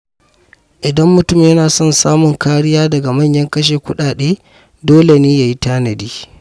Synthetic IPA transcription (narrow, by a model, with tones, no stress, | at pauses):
ʔɪ˨dɐ˦mːʊ˨tʊ˦mjɐ˦naː˨sɔ˦nsaː˦mʊ˨ŋkaː˦ɽɪ˦jaː˦dɐ˨ɡa˨mɐ˦˨ɲjɐ˦ŋkɐ˦ʃ̬eː˨kʷʊ˦ɗaː˨ɗeː˦ | doː˦le˨neː˦jaː˨ji˦taː˦nɐ˨diː˦